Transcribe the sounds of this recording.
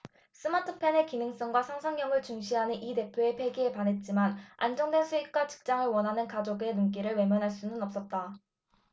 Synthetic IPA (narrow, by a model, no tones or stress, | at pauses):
s͈ʰɯmatʰɯpʰe̞ne̞kinɯŋs͈ʌŋɡwasʰaŋsʰaŋɲʌŋɯɭt͡ɕuŋɕ̬ʰiɦanɯnʔide̞pʰjoe̞pʰe̞ɡiepanɦe̞t̚t͡ɕ͈imana̰nd͡ʑʌŋdwensʰuik̚k͈wat͡ɕɯ̥k̚t͡ɕ͈aŋɯɭwʌnɦanɯnkad͡ʑoɡe̞nunk̬͈iɾɯɭwe̞mjʌnɦaɭs͈unɯnʌp̚s͈ʌt̚t͈a